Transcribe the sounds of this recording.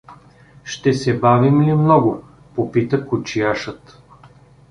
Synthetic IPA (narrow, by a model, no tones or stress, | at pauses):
ʃt̪ɛsɛbavimlimnɔɡʊ | popit̪əkʊt͡ʃiaʃət̪